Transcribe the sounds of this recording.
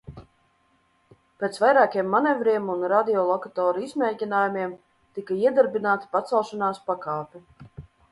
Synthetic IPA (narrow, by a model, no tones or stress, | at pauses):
peːt̪svajɾaːkijɛmːanɛvɾiɛmunɾad̪iɔlˠɔkat̪ɔːɾizmʲɛjcʲinaːjumʲiɛm | t̪ikaiɛd̪aɾbinaːt̪i̥pat̪sɛlˠʃanaːspakaːpʲi